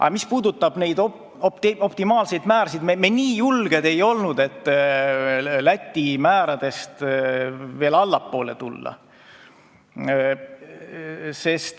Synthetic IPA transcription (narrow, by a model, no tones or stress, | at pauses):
ʔɑ̰mispuːd̪ut̪ːˑɑb̥ne̞jd̪ | opt̪o̞pt̪imɑːlse̞jd̪mæːɾɑsid̪memeniːjulɡ̥e̞d̪̥e̞jo̞lnud̪e̞t̪ˑː | læt̪ʲːimæːɾɑd̪̥e̞st̪ | ve̞ːlɑlːɑpːo̞ːlet̪ulːɑ̰ | se̞st̪